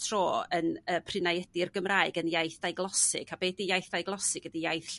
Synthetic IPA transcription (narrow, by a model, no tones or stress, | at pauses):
tʰroːənəːpʰrɨnajɛdirɡəmraːɨɡənjajθd̥ajɡlˠɔsɪ̰kʰabeːdijajθd̥ajɡlˠɔsɪɡ̥ədijajθ